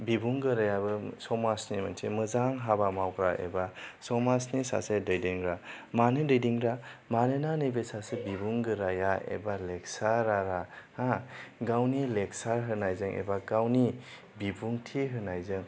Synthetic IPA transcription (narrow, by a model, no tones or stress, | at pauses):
bibuŋɡɯɾajabɯsɔmasnimansʰemɯzaŋɦabamawɡɾaḛbasɔmasnisa̰sedɯjdiŋɾamanɯdɯjdiŋɾamanɯnanɯbesasebibuŋɡɯɾajaḛbaleksaɾaɾahaɡawnileksaɾɦɯnajzɯŋʔḛbaɡawni | bibuŋtʰiɦɯnajzɯŋ